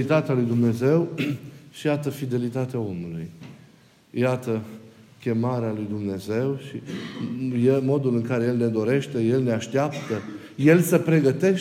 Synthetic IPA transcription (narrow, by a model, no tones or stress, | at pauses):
it̪at̪ealujd̪umne̞ze̞wʃijat̪əfid̪e̞lit̪at̪eao̞muluj | jat̪əkʲe̞maɾealujd̪umne̞ze̞wʃi | jemo̞d̪ulɨŋkaɾeje̞lne̞d̪o̞ɾe̞ʃt̪e̞je̞lne̞aʃt̪eapt̪ə | je̞lsəpɾe̞ɡət̪e̞